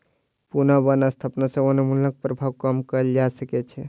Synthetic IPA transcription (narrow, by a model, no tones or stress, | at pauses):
punabənast̪ʰəpnasə̃onemulːək̚pɾəbʱawkəmkəəld͡ʒasəkɛt͡ʃʰɛ